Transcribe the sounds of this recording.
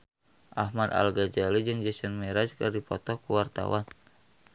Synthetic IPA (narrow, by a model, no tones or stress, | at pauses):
ʔahmad̪a̰lɡad͡ʒalid͡ʒɨŋd͡ʒɛsɛnmɛɾad͡ʒkɨrdipɔt̪ɔkuwart̪a̰wan